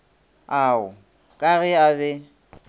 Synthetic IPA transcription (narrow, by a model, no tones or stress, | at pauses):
aʊ | kʼaɣɪabɛ